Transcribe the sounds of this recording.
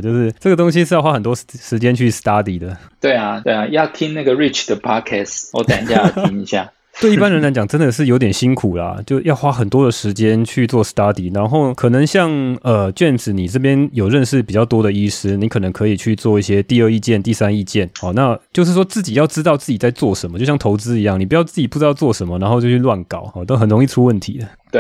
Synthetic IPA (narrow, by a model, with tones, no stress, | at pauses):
t͡ɕjo˥˧ʊʂɻ̩˥˧ʈ͡ʂɤ˥˩ɡə˩t̪o˥ŋɕ̬i˥ʂɻ̩˥˧jwa˥xə˨˩nt̪wɔ˥ʂɻ̩˧˥t͡ɕjɛ˥nt͡ɕʰy˥˩st̪a˥d̪i˨˥d̪ə˩t̪we˥˩ɪa˨˩t̪we˥˩ɪa˨˩jɑ˥˨˧ʊt̪ʰi˥nna˥˩ɡə˨ɹi˥t͡ʃd̪ə˩pʰɑ˥kʰɛ˥˧swɔ̰˧˦t̪a˨˩nt͡ɕja˥˧i˧˥ni˧˥ɕja̰˥˩ | we˥ɪi˥˩pa˥nɻə˧nla˧˥t͡ɕjɑ˨˩ŋʈ͡ʂə˦˥nd̪ə˨ʂ̬ɻ̩˥˩jo˧˥ʊt̪jɛ˨˩nɕi˥ŋkʰu˨˩lɐ̰˦t͡ɕjo˥˧ʊjɑ˥˩ʊxwa˦˥xə˨˩nt̪wɔ˥d̪ə˨ʂɻ̩˧˥t͡ɕjɛ˥˦nt͡ɕʰy˥˧t͡swɔ˥˩st̪a˥d̪i˨˩ɻa˧˥nxo˥˩ʊkʰɤ˨˩nə˨˧˥ŋɕjɑ˥˩ŋə˨˩t͡ɕɥɛ˥˩ns̩˨˩ni˨˩ʈ͡ʂɤ˥˩p̬jɛ˥njo˨˩ʊɻə˥˧nʂɻ̩˥˩pi˨˩t͡ɕjɑ˥˩ʊt̪wɔ˥d̪ə˨i˥ʂɻ̩˥ni˧˥kʰɤ˨˩nə˧˦ŋkʰɤ˧˥i˨˩t͡ɕʰy˥˧t͡swɔ˥˧i˥˩ɕjɛ˥t̪i˥˧ə˥˧i˥˧t͡ɕjɛ˥˧nt̪i˥˩sa˥ni˥˧t͡ɕjɛ˥˩nxɔ˨˩na˥˧t͡ɕjo˥˧ʊʂ̬̩˥˩ʂwɔ˥t͡sɹ̩˥˩t͡ɕi˨˩jɑ˥˧ʊʈ͡ʂɻ̩˥t̪ɑ˥˧ʊt͡sɹ̩˥˩t͡ɕi˨˩t͡sa˥˧ɪt͡swɔ˥˩ʂə˧˦nmə˩t͡ɕjjɑ˥ŋt̪ʰo˧˥ʊt͡sɹ̩˥i˧˦jɑ˥˩ŋni˨˩pu˧˥jɑ˥˧ʊt͡sɹ̩˥˩t͡ɕi˨˩pu˥˩ʈ͡ʂɻ̩˥ɑ˥˧ʊt͡swɔ˥˩ʂə˧˦˥nmə˨˩na˧nxo˥˧t͡ɕo˥˧t͡ɕʰy˥˧lwa˥˩nkɑ˨˩˦ʊxɔ˨˩t̪o˥xə˨˩nɻʊ˧˥ŋi˥˧ʈ͡ʂʰu˥wə˥˩nt̪ʰḭ˨˥˦d̪ə˩ | t̪we˥˩